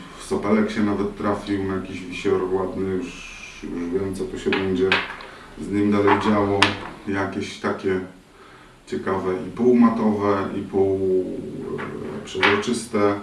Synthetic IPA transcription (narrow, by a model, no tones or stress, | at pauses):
fsɔpɛlɛkɕɛnavɛt̪ːɾafʲiwnajakʲiʑvʲiɕɔɾwad̪nɘjuʂ | juʐvʲjɛmt̪sɔt̪ɔɕɛbɛɲd͡ʑɛ | zɲimd̪alɛjd͡ʑawɔjakʲeɕt̪akʲɛ | t͡ɕɛkavɛipuwmat̪ɔvɛḭpuw | pʂɛzɾɔt͡ʂɘst̪ɛ